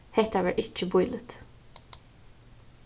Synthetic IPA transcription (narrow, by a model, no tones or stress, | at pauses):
hɛt̪æʋæɹʔɪt͡ʃːəbʊʏlət̪